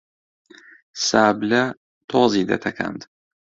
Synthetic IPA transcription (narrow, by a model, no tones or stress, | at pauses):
saːblɐ | t̪ʰoːzid̪ɐ̰t̪ʰɐkʰa̰nd̪